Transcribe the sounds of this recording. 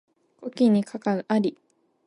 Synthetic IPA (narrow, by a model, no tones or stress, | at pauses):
kokʲiɲ̟ikʰakaɯ̟ʔaɾʲi